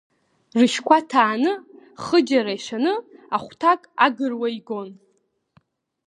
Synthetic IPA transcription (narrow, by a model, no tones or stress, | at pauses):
rɨʃkʷʰatʰaːnɨ | χəd͡ʒaɾaiʂʷanɨaχʷtʰakʼaɡɨrwaiɡon